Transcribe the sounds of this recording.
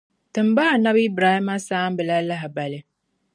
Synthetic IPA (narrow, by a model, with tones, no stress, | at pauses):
tɨ˨mbaː˦˨na˦bi˦bɾaː˨hi˦ma˦saː˦m˦bɨ˨la˦la˦ɦɪ˨ba˨lɪ˦